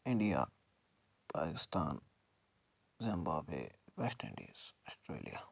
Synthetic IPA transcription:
ɪ̃ɳɖija̰ː | paːkɪst̪aːn | zɪ̃mbaːbḛːʋɛsʈɪ̰̃ɳɖḭzəsʈɾḛːlija

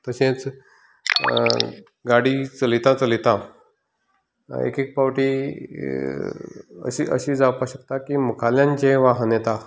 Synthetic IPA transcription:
t̪əɕẽt͡s | ɡaɽit͡səlit̪ãt͡səlit̪ã | ḛkek̚paʋʈi | ə̰ɕḭʔə̰ɕiːd͡zapaɕəkt̪akiːmukʰaljãɲt͡ɕẽʋaɦnet̪a

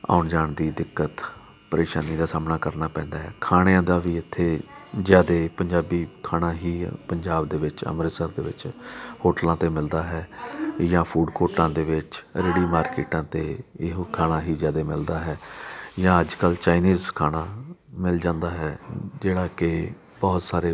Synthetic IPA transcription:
a̰ːʊɳd͡ʒaːɳd̪iːd̪ɪkːət̪ | pəɾeːʃaːniːd̪aːsaːmnaːkəɾnaːpɛ̃ːnd̪aːɦɛːkʰaːɽ̃ejãːd̪aːʋiːɪt̪ʰːeːzjaːd̪eːpəɲd͡ʒaːbiːkʰaːnãːɦiːpəɲd͡ʒaːbd̪eːʋɪt͡ʃə̰mɾeːsəɾd̪eːʋɪ̰t͡ʃhoːʈlãːt̪eːmɪld̪aːɦɛːjãːpʰuːɖkoːʈlãːd̪eːʋɪt͡ʃɾeːɽiːmaːɾkḛːʈãːt̪eːɪɦkʰaːnaːɦiːzjaːd̪eːmɪld̪aːɦɛːjãːəd͡ʒkəlt͡ʃaːiniːzkʰaːɽ̃aːmɪld͡ʒãːnd̪aːɦɛːd͡ʒeːɽaːkɪ | bɔːt̪saːɾeː

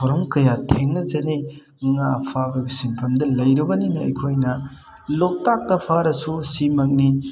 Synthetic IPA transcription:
ɔɾɔmkɐjatʰeŋnɐzene | ŋapʰabɐɡisiŋpʰɐmdɐlɐjɾibɐninɐɐ̰jkʰojnɐ | lok̚tak̚tɐpʰaɾɐsusimɐk̚ni

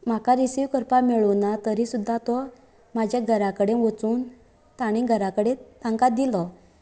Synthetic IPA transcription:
m̤akaɾisiʋkəɾpamɛɭunat̪əɾisud̪ʱːat̪ɔ | mad͡ʑʱjaɡʱəɾãkəɽeʋət͡suːn | t̪aɽ̃ĩɡʱəɾakəɽẽt̪ãŋkad̪ilɔ

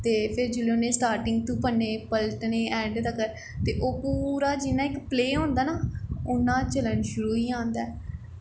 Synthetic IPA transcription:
t̪eːpʰɪɾd͡ʒeleʊnẽːsʈaːɾʈɪŋɡ̚t̪ũːpənːeːpəlʈnẽːɛ̃ːɳɖd̪aːkəɾ | t̪eːʔoːpuːɾaːd͡ʒɪnãːɪkpleːɦõːnd̪aːnaːʊnːãːt͡ʃələɳʃʊɾuːiːãːnd̪aː

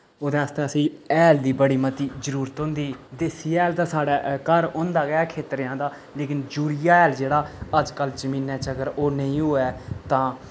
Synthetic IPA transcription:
oːd̪ẽast̪ɛ̃ːəsĩːɛːld̪iːbəɽiːmət̪iːzəɾuːɾət̪ɦõːnd̪iːd̪eːsiːɛːlt̪ãːsaːɽaːkəɾõːnd̪aːɡaːkʰeːt̪ɾjãːd̪aː | leːkɪnd͡ʒuːɾijaːɛːld͡ʒeːɽaːəd͡ʒkəld͡ʒəmĩːnɛːt͡ʃəɡəɾoːnəĩːɦoːɛːt̪ãː

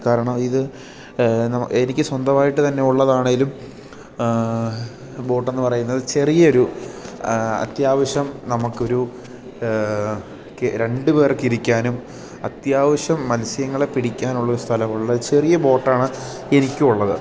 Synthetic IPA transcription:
kaːɾɐɳɐmiðɨ | nɐmenikʲːɨswɐnd̪ɐmaːjiʈːɨt̪ɐnːe̞uɭːɐðaːɳeŋɡilum | bo̞ːʈːe̞nːɨpɐrɐjunːɐðɨt͡ɕe̞rijɐo̞ɾu | ɐ̰t̪jaːʋɐɕɐmnɐmukːo̞ɾu | kɾe̞ɳɖɨpe̞ːrkːiɾikʲːaːnum | ɐt̪jaːʋɐɕɐmːɐlsijɐŋːɐɭe̞piɽikʲːaːnuɭːɐoɾust̪ʰɐlɐmuɭuɭːɐt͡ɕe̞rijɐbo̞ːʈːaːɳɨ | e̞nikʲːuuɭːɐðɨ

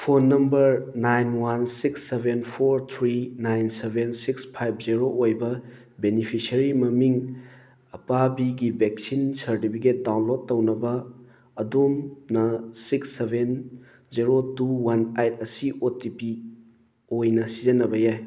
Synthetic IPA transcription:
pʰonːɐmbɐɾnajnwansiksːebʱenpʰoɾt̪ʰɾinajnsebʱensikspʰajp̚ʰziɾoʔojbɐ | benipʰisɐɾimɐmiŋ | ɐpabiɡibʱek̚sinsɐɾtipʰiket̚dawnlot̚ːɐwnɐbɐː | domnɐsiksːebʱen | ziɾotuwanajtʰɐsiʔotipi | ojnɐsizɐnɐbɐjaj

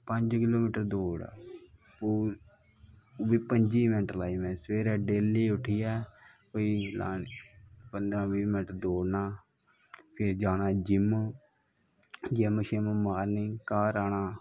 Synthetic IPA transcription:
pəɲd͡ʒkɪloːmiːʈəɾd̪oːɽa̰ː | puː | biːpəɲd͡ʒiːmɛːʈlaːimɛ̃ːsʋeːɾɛːɖeːliːʊʈʰiːjɛː | koːiːla̰ːnpənd̪ɾãːʋiːmɪnʈəɾd̪oːɽnaː | pʰɪɾd͡ʒaːnaːd͡ʒɪm | d͡ʒemʃeməmaːɾniːkaːɾaːnaː

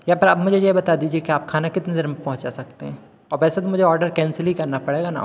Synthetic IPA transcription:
jɐɦapɐɾɐːbmʊd͡ʒʱejbɐt̪ad̪iːd͡ʒiekiaːpkʰaːnakɪt̪nezɐɾmpɐ̃ɦʊ̃t͡ʃasɐk̚t̪eɦɛ̃ː | ɔːɾʋɛːsat̪omʊd͡ʒʱeɔːɾɖəɾkɛ̃ːnsəlɦikɐɾnapɐɽeːɡana̰ːm

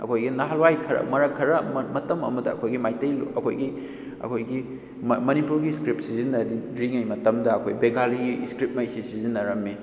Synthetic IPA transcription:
ɐ̰kʰojɡinaɦalwajkʰɐɾɐ̰mɐɾɐkʰɐɾɐmmɐtɐmɐ̰mɐdɐɐkʰojɡimajtɐjlɐ̰kʰo̰jɡi | ɐ̰kʰojɡi | mɐnipuɾɡiskɾip̚sizinːɐɾidɾiŋɐjmɐtɐmdɐːkʰojbeɡaliɡiskɾip̚mɐjsisizinːɐɾɐmːi

